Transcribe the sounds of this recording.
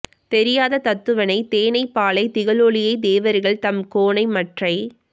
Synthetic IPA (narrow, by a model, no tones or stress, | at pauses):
t̪ɛɾɪjaːðɐt̪ɐt̪ːɯʋɐnɐɪt̪eːnɐɪpːaːɭɐɪt̪ɪɣɐɭoːɭɪjɐɪd̪eːʋɐɾɣɐɭt̪ɐmkoːɳɐɪmɐʈrɐɪ